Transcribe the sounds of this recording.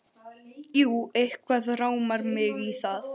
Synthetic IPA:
juːehkʰvaðraːwmaɾmɪɣiθað

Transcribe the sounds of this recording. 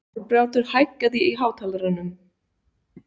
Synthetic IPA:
ɔɾpɾjaːwt̪ʏɾ̥hajkːaðɪiɦaːwt̪ʰalɾanːʏm

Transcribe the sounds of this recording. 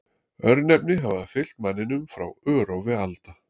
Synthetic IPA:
œɾnɛp̚nɪɦavafɪl̥t̪manːɪnʏmfɾa̰wœːɾowvɪalt̪a

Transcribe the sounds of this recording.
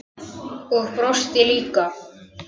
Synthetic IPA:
ɔɣpɾɔst̪ɛliːka

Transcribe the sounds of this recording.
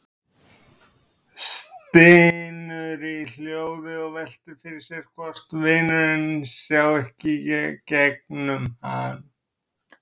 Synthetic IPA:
st̪ɪnʏɾɪil̥joːwðɪɔɣvɛl̥t̪ɪfɪɾɪɾ̥sjɛɾ̥kʰvɔr̥t̪vɪːnʏɾɪnːʏmsjaːwɛhcɪcɛk̚nʏmhaːn

